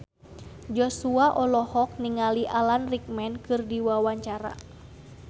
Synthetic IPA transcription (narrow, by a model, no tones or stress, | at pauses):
d͡ʒɔsuaʔɔlɔhɔk̚niŋaliʔalanrik̚mɛnkɨrdiwawaɲt͡ʃaɾa̰